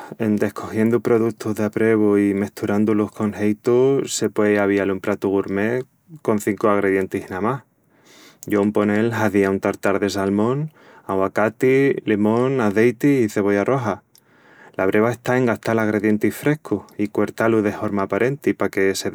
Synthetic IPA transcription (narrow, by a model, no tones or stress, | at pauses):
e̞nd̪e̞hkʰo̞xje̞nd̪upɾo̞ðut̪ʰuɦðapɾe̞β̞oime̞ht̪uɾand̪ulohko̞nhejt̪use̞pweaβialumpɾat̪uɣuɾme̞ | ko̞n̟θiŋkoaɣ̞ɾe̞ðje̞nt̪ihnamah | ɟ͡ʝoumpo̞ne̞lɦaðiaunt̪aɾt̪aɾðe̞salmõ̞n | aɣwakat̪ilemõ̞naðejt̪iiθe̞βo̞jaro̞ɦa | laβɾʔe̞βae̞ht̪ae̞ŋɡaht̪alaɣ̞ɾeðje̞nt̪ihfɾe̞hkuikwe̞ɾt̪aluðe̞ho̞ɾmaːpaɾe̞nt̪ipake̞se